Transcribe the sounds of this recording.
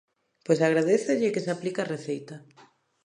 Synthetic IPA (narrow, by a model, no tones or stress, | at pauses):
pojsaɣɾaðeθeʎɪkɪsaplikareθejt̪a